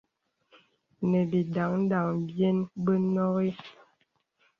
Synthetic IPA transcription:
nə˨bi˨da˨˦ŋn̩˦da˨ŋbje˦nbə˦nɔ˦ɣi˦

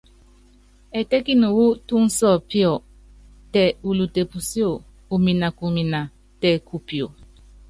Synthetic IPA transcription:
ɛ˨tɛ˦ki˦nu˨wu˦tu˦n̩˦sɔ˦˨pi˦ɔ˨ | tɛ˨u˨lu˨te˨pu˨si˦o˨ | u˨mi˨na˨ku˨mi˨na˨ | tɛ˨ku˨pi˨o˨

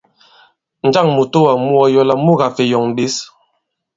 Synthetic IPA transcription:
n̩˨d͡ʒa˦˨ŋmu˨to˦wa˨mu˦ɔ˦jɔ˦la˦mu˦ɣa˨fe˨jɔ˨ŋ˨bi˦s

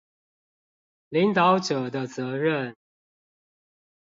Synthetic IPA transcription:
li˨˧˥ŋt̪ɑ˧˦ʊʈ͡ʂɤ˨˩d̪ə˦t͡sɤ˨˧˥ɻə˥˨n

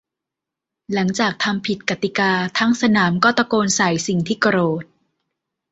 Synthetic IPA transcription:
la˩˦ŋt͡ɕaː˨˩k̚t̪ʰa˧mpʰi˨˩t̪̚ka˨˩t̪i˨˩kaː˧t̪ʰa˦˥ŋsa˧naː˩˦mkɔː˥˩t̪a˧koː˧nsa˨˩˦jsi˨˩ŋt̪ʰiː˥˩ka˧ɾoː˨˩t̪̚

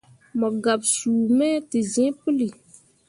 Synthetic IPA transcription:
mɔ˨ɡa˨bsuː˨mɛ˦tɪ˨zɛ̃˦pu˦li˨

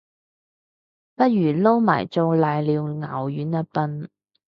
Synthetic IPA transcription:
pɐ˥t̚jyː˨˩lo˥wma̰ː˨˩jt͡so˧wlaː˨˧jliː˨˧wŋaː˨˩wjyː˨˥nːɐ˧˥pɐ˧n

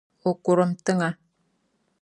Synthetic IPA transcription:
o˨ku˨ɾə˦mt̪ə˦ŋa˦

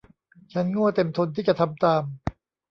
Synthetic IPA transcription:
t͡ɕʰa˦˥nŋu˥˩ɐt̪e˧mt̪ʰo˧nt̪ʰiː˥˩t͡ɕa˨˩t̪ʰa˧mt̪aː˧m

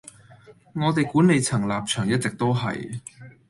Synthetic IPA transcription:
ŋɔː˨˧t̪e˨jkuː˨˥ne˨˧jt͡sʰɐ˨˩ŋlaː˨p̚t͡ʃʰœː˨˩ŋjɐ˥t̚t͡sɛ˨k̚t̪o˥wɦɐ̰˨j

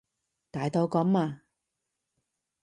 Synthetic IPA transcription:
t̪aː˨jt̪o˧wkɔ˨˥mmaː˧

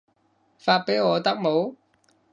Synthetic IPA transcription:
faː˧t̚pe˨˥jŋɔː˨˧t̪ɐ˥k̚mo˨˧w

